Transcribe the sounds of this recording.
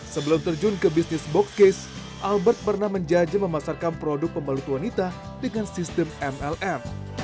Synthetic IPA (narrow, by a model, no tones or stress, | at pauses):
səbəlʊmt̪ərd͡ʒʊnkəbisnɪsbokskes | ʔalbərt̪̚pərnahməɲd͡ʒad͡ʒaməmasarkanpɾodʊk̚pəməlut̪wanit̪a | dəŋansist̪əmɛmɛlʔɛm